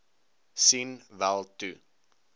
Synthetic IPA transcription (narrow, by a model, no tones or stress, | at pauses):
sinvælˠtu